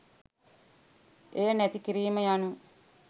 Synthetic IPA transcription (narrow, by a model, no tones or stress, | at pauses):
ejənæt̪ikiɾiːməjanu